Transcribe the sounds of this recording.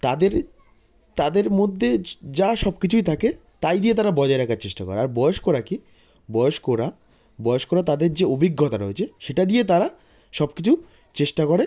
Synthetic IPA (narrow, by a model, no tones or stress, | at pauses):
t̪ad̪eɾ | t̪ad̪eɾmod̪ʱːed͡ʑaʃɔbkit͡ɕʰujt̪ʰake | t̪ajd̪ijet̪aɾabɔd͡ʑaeɾɛkʰaɾt͡ɕeʃʈakɔ̰ɾeaɾbɔoʃkoɾaki | bɔeoʃkoɾa | bɔjoʃkoɾat̪ad̪eɾd͡ʑeobʱiɡːot̪aɾoet͡ɕʰeʃeʈad̪ijet̪̬aɾa | ʃɔb̚kit͡ɕʰu | t͡ɕeʃʈakoɽe